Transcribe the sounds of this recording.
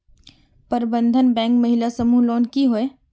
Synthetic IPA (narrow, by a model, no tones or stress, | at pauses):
pəɾbə̃nd̪ʱənbɛ̃ːŋkmɐɦɪlasɐmuloːnkiɦoe